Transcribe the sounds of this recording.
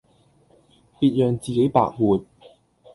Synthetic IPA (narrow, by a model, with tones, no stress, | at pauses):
piː˧t̚jœː˨ŋt͡siː˨ke˨˥jpa̰ː˧˥k̚muː˨t̚